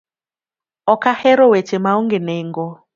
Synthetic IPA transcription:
ɔkahɛɾowet͡ʃemaoŋɡeneŋɡɔ

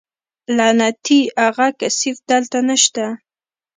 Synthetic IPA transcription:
lanat̪iaɣakasifd̪əlt̪anaʃt̪a

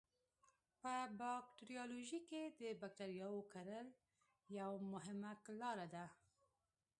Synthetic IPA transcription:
pəbɑk̚ʈɾijɑloʒiked̪əbak̚taɾjɑwokaɾəl | jawmʊɦɪmaklɑɾad̪a

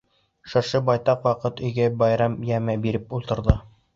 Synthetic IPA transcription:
ʃɤ̆ɾʃɤbɑjt̪ɑqwɑqɤt̪ɵ̆jɡæbɒjɾɑmjæmæbiɾɘpulˠt̪ɤ̆ɾðɤ

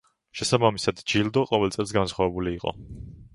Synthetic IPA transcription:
ʃɛsabamisad̪d͡ʒild̪ɔqʼɔvɛlt̪sʼɛlˠs̬ɡansχwavɛbuliːqʼɔ̰

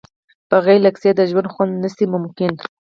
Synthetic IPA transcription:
pəɣelaksed̪əʒwand̪xwand̪nəsimʊmkɪn

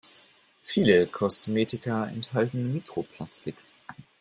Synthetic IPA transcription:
fiːləkʰɔsmeːtɪkɐɛ̰nthaltn̩miːkʁ̥opʰl̥astɪk

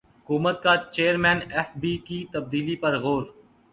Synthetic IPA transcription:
ɦʊkuːmət̪̚kat͡ʃeːəɾmɛ̃ːnɛːfbiːkit̪əb̚d̪iːlipɐɾɣoːɾ

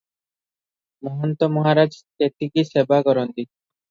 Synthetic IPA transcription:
mɔɦɔnt̪omɔɦaɾad͡ʑt̪et̪ːikiʃebaɡɔɾond̪i

